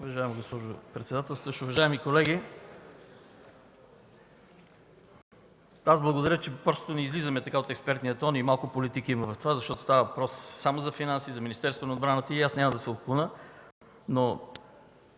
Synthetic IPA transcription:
ʊvɐʒaɛmɡospɔʒopɾɛt̪sɛd̪at̪ɛlˠsʃʊvɐʒaɛmikolɛɡi | azblˠɐɡod̪ɐɾʲət͡ʃɛpɾɔso̥t̪ʊnɛizlizɐmɛt̪ɐkaot̪ɛkspɛɾt̪nijət̪ɔnimalˠkʊpolit̪ikiimɐvɐft̪ovazɐʃt̪ɔt̪o̥st̪avɐvɐpɾɔsːamozɐfinansizɐminist̪ɛɾst̪vonɐod̪̚bɾanət̪əiasnʲamɐd̪ɐsɛot̪̚klˠunə | no

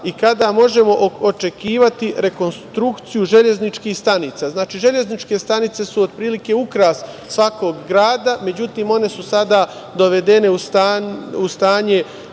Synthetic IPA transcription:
ikad̪amo̞ʒe̞mo̞ʔot͡ʃe̞kiːʋat̪iɾe̞ko̞nst̪ɾukt̪sijuʒe̞ʎe̞znit͡ʃkiːhst̪anit̪saːznaːt͡ʃiːʒe̞ʎe̞znit͡ʃke̞st̪anit̪se̞suod̪̚pɾiːlike̞ukɾas | sʋako̞ɡːɾaːd̪ame̞d͡ʑut̪iːmo̞ne̞susad̪a | d̪o̞ʋe̞d̪e̞ne̞ust̪aust̪aːɲe̞

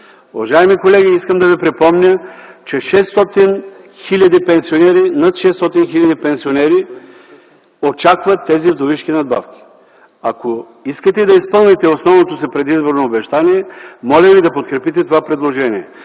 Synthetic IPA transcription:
ʊvɐʒaimikolɛɡʲiiskəmd̪ɐvipɾipɔmnʲət͡ʃɛʃɛst̪ɔt̪in | xilʲɐd̪ipɛnsionɛɾinat̪ʃɛst̪ɔt̪inxilʲɐd̪ipɛnsionɛɾi | ot͡ʃakvɐt̪ːɛzivd̪oviʃkʲinɐd̪̚ba̰fkʲi̥ | ako | iskət̪ɛd̪ɐispɤlˠnit̪ɛosnɔvnot̪osipɾɛd̪izboɾnoːbɛʃt̪aniɛmɔlʲəvid̪ɐpot̪̚kɾɛpit̪ɛt̪ovapɾɛd̪lˠoʒɛniɛ

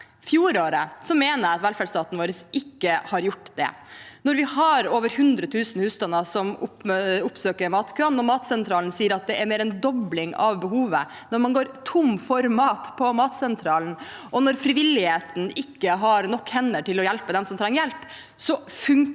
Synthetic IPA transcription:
fjuːɾoːɾəsɔmeːnəɾɑt̪ʋɛlfæɖst̪ɑːt̪nʋoːɾəsʔɪkːəhɑɾjʊʈːd̪ɛ̰nɔɾʋɪhɑɾoːʋəɾhʉnd̪ɾət̪ʰʉːsn̩hʉːst̪ɑnəsɔmʊpʊpsøːkəɾmɑːt̪kʰøːnnɔmɑːt̪sɛnt̪ʰɾɑːlnsiːəɾɑt̪̚d̪ɛæɾmeːɾɛnd̪ɔblɪŋɑ̰ʋbəhuːʋə̰ | nɔɾmɑnɡoːɾt̪ʰʊmfɔɾmɑːt̪pʰɔmɑːt̪sɛnt̪ʰɾɑːln̩ | ʔɔnɔɾfɾɪʋɪlːɪheːt̪n̩ɪkːəɦɑɾnɔkːhɛnːəʈɪlɔjɛlpəd̪ɛmsɔmt̪ʰɾɛŋːjɛlp | sɔfʉŋ

